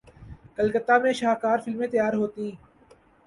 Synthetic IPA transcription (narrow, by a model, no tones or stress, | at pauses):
kəlkət̪ːaːmẽːʃaːkaːɾfɪlmẽːt̪əjaːɾɦoːt̪ĩː